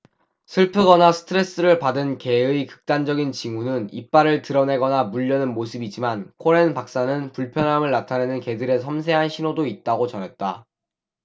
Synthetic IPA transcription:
sʰɯɭpʰɯɡʌnasʰɯ̥tʰɯɾe̞s͈ɯɾɯɭpadɯnke̞ɯikɯ̥k̚t͈and͡ʑʌɡint͡ɕiŋunɯnḭp̚p͈aɾɯɭtɯɾʌne̞ɡʌnamuʎːʌnɯnmosʰɯbid͡ʑimankʰoɾenpak̚s͈anɯnpuɭpʰjʌnɦamɯɭnatʰane̞nɯnke̞dɯɾe̞sʰʌmsʰe̞ɦanɕʰinodoit̚t͈aɡot͡ɕʌnɦet̚t͈a

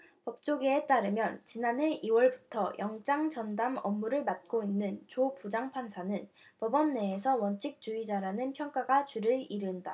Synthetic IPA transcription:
pʌp̚t͡ɕ͈oɡiet͈aɾɯmjʌnt͡ɕinane̞ʔiwʌɭbutʰʌjʔʌŋt͡ɕ͈aŋd͡ʑʌndamʌmːuɾɯɭmat̚k͈oinːɯnt͡ɕopud͡ʑaŋpʰansʰanɯn | pʌbʌnːe̞ːsʰʌwʌnt͡ɕʰik̚t͡ɕ͈uid͡ʑaɾanɯnpʰjʌŋk͈aɡat͡ɕuɾɯɭiɾɯnda

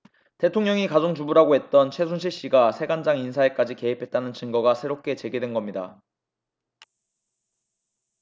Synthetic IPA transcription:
te̞tʰoŋɲʌŋikad͡ʑoŋd͡ʑubuɾaɡoɦe̞t̚t͈ʌnt͡ɕʰe̞sʰunɕ̬ʰiɭɕ͈iɡasʰe̞ɡand͡ʑaŋinsʰaek͈ad͡ʑike̞ipʰe̞t̚t͈anɯnt͡ɕɯŋɡʌɡasʰe̞ɾop̚k͈e̞t͡ɕe̞ɡidwenɡʌmɲida̰

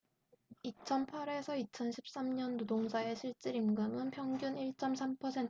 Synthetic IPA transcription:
it͡ɕʰʌnpʰaɾe̞sʰʌit͡ɕʰʌnɕʰip̚s͈amɲʌnːodoŋd͡ʑʰae̞ɕʰiɭt͡ɕ͈iɾimɡɯmɯnpʰjʌŋɡjuniɭt͡ɕ͈ʌmsʰampʰʌsʰe̞n

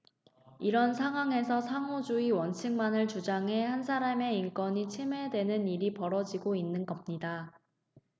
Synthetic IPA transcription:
iɾʌnsʰaŋɦwaŋɦe̞sʰʌsʰaŋod͡ʑuiwʌnt͡ɕʰɯŋmanɯɭt͡ɕud͡ʑaŋɦe̞hans̬ʰaɾame̞iŋk͈ʌɲit͡ɕʰime̞dwe̞nɯniɾipʌɾʌd͡ʑiɡoinːɯnɡʌmɲida

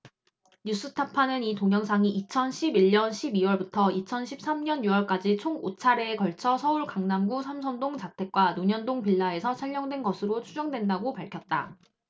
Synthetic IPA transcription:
ɲus͈ɯtʰapʰanɯnitoŋjʌŋsʰaŋiʔit͡ɕʰʌnɕʰibiɭɲʌnɕʰibiwʌɭbutʰʌit͡ɕʰʌnɕʰip̚s͈amɲʌnjuwʌɭk͈ad͡ʑit͡ɕʰoŋot͡ɕʰaɾe̞ːkʌɭt͡ɕʰʌsʰʌuɭkaŋnamɡusʰamsʰʌndoŋt͡ɕatʰe̞k̚k͈wanoɲʌndoŋpiɭːae̞sʰʌt͡ɕʰaʎːʌŋdwe̞nɡʌsʰɯɾot͡ɕʰud͡ʑʌŋdwe̞ndaɡopaɭkʰjʌt̚t͈a

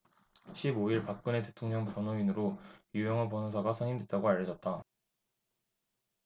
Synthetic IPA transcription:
ɕʰiboiɭpak̚k͈ɯne̞tetʰoŋɲʌŋpjʌnoinɯɾojujʌŋapʌnosʰaɡasʰʌɲimdwe̞t̚t͈aɡoaʎːʌd͡ʑʌt̚t͈a

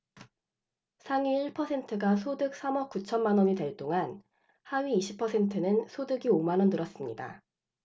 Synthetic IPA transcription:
sʰaŋiːɭpʰʌsʰe̞ntʰɯɡasʰodɯk̚s͈ʰamʌk̚k͈ut͡ɕʰʌnmanʌɲiteɭt͈oŋan | haɥiːɕʰipʰʌsʰe̞ntʰɯnɯnsʰodɯɡiomanʌndɯɾʌs͈ɯmɲida̰

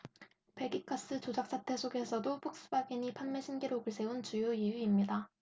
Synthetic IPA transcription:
pe̞ɡik͈ʰas͈ɯt͡ɕod͡ʑak̚s͈ʰatʰe̞sʰoɡe̞sʰʌdopʰok̚s͈ɯbaɡiɲipʰanmeɕʰinɡiɾoɡɯɭs͈ʰe̞unt͡ɕujoijuimɲida

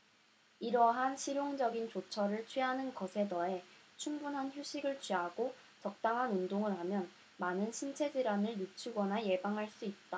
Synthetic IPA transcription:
iɾʌɦanɕʰiɾjoŋd͡ʑʌɡint͡ɕot͡ɕʰʌɾɯɭt͡ɕʰɥiɦanɯnkʌsʰe̞dʌe̞t͡ɕʰumbunɦançjuɕʰiɡɯɭt͡ɕɥiɦaɡo | t͡ɕʌk̚t͈aŋɦanundoŋɯɭɦamjʌn | manɯnɕʰint͡ɕʰe̞d͡ʑiɾanɯɭːit͡ɕʰuɡʌnaje̞baŋɦaɭs͈uit̚t͈a

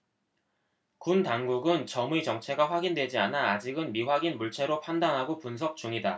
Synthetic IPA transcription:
kuntaŋɡuɡɯnt͡ɕʌmuit͡ɕʌŋt͡ɕʰe̞ɡaɸwaɡindwe̞d͡ʑianaːd͡ʑiɡɯnmiɸwaɡinmuɭt͡ɕʰe̞ɾopʰandaŋɦaɡopunsʰʌk̚t͡ɕuŋida

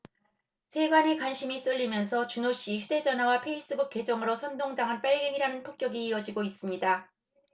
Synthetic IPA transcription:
sʰe̞ɡwane̞kwanɕʰimis͈ɯʎːimjʌnsʰʌt͡ɕunoɕ͈içʰude̞d͡ʑʌnɦawapʰe̞is͈ɯbuk̚k͈e̞d͡ʑʌŋɯɾosʰʌndoŋdaŋɯnp͈aɭɡeŋiɾanɯnpʰok͈̚jʌɡiːʌd͡ʑiɡois͈ɯmɲida

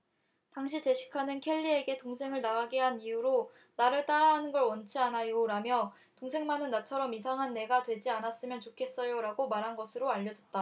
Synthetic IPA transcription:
taŋɕ̬ʰit͡ɕe̞ɕʰi̥kʰanɯnkʰe̞ʎːie̞ɡe̞toŋsʰe̞ŋɯɭnaɡaɡiɦanijuɾo | naɾɯɭt͈aɾaɦanɯnɡʌɭwʌnt͡ɕʰianajoɾamjʌ | toŋsʰe̞ŋmanɯnːat͡ɕʰʌɾʌmisʰaŋɦanːe̞ɡatwe̞d͡ʑianas͈ɯmjʌnt͡ɕokʰe̞s͈ʌjoɾaɡomaɾɦanɡʌsʰɯɾoaʎːʌd͡ʑʌt̚t͈a

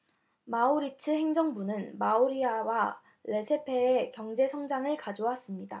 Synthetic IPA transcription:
mauɾit͡ɕʰɯɦe̞ŋd͡ʑʌŋbunɯnmauɾiawa | le̞sʰe̞pʰe̞ːkjʌŋd͡ʑe̞sʰʌŋd͡ʑaŋɯɭkad͡ʑowas͈ɯmɲida

